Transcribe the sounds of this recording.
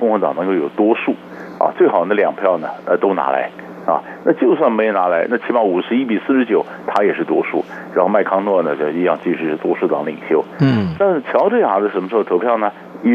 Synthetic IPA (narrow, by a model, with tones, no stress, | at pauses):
kʊ˥˧ŋxɤ˧˥t̪ɑ˨˩ŋnɤ˧˥ŋko˥˩ʊjo˨˩ʊt̪wɔ˥ʂu˥˩ | ɐ̰˧˩t͡swe˥˩ɪxɑ˨˩ʊd̪ə˦ljɑ˨˩ŋpʰjɑ˥˩ʊnə˩ə˧t̪o˥ʊna̰˧˥la̰˧˥ɪ | ɐ̰˧na˥˧t͡ɕjo˥˧ʊs̬wa˥˩nme˧˥ɪjo˧˩na˧˥la˧˥ɪna˥˩t͡ɕʰi˧˥pɑ˧˥˩u˨˩ʂɻ̩˧˥i˥pi˨˩sɹ̩˥˩ʂɻ̩˧˥t͡ɕjo˨˩˦ʊt̪ʰa˥jɛ˨˩ʂɻ̩˥˩t̪wɔ˥ʂṵ˥˩ | ɻa˧˥nxo˥˧ma˥˩ɪkʰɑ˥ŋnwɔ˥˩nə˩t͡ɕo˥˧ʂi˧jɑ̰˥˧ŋt͡ɕi˧˥˩ʂɻ̩˧˥ʂɻ̩˥˩t̪wɔ˥ʂu˥˩t̪ɑ˧˥ŋli˨˩ŋɕjo˥ʊna˥˩t͡ɕʰjɑ˧˥ʊʈ͡ʂe˥˩ja˨˩d̪ə˧ʂə˧˥nmə˧ʂ̩˥˧˩t̪ʰo˧˥ʊpʰjɑ˥˩ʊnə˩ | i˥